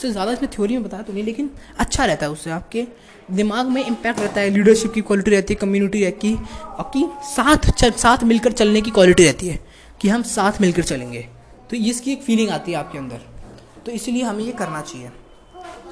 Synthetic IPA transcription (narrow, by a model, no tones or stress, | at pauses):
sezjaːd̪aɪsnẽt̪ʰɪjoːɾimẽbɐt̪aːjat̪onĩleːkɪn | ɐtːʃʰaɾɛɦt̪aɦɛʊsːeaːp̚ke | d̪ɪmaːɡmẽɪ̃mpɛːk̚ʈɾɛɦt̪aɦɛliːɖəɾʃɪpkikwɔːlɪʈiɾɛɦt̪iɦɛkɐmjuːnɪʈiɾɛɦikisaːt̪ʰt͡ʃɐsaːt̪ʰmɪlkəɾt͡ʃɐlnek̬ikwaːlɪʈiɾɛɦt̪iɦɛː | kiɦɐmsaːt̪ʰmɪlkəɾt͡ʃɐlẽːŋɡeː | t̪oɪskieːkfiːlɪ̃ŋɡaːt̪iɦɛaːp̚keɐ̃nd̪ə̰ɾ | t̪oɪsilieɦɐmẽjekɐɾnat͡ʃaːɦieː